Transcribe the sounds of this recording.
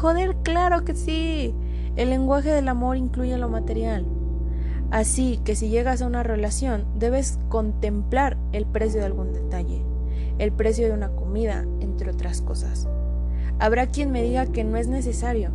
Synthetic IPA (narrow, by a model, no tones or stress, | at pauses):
xo̞ðe̞ɾklaɾo̞ke̞si | elːe̞ŋɡwaxe̞ðe̞lamo̞ɾiŋkluʝe̞lo̞mat̪e̞ɾjal | asike̞siʝe̞ɣasaunare̞lasjo̞nd̪e̞βe̞s | ko̞nt̪e̞mplaɾ | e̞lpɾe̞s̬jo̞ðealɣund̪e̞t̪aʝe̞̰ː | lpɾe̞sjo̞ðe̞unako̞mið̞a̰ | e̞nt̪ɾeo̞t̪ɾasko̞sa̰s | aβɾakje̞nme̞ðiɣake̞no̞e̞zne̞s̬e̞saɾjo̞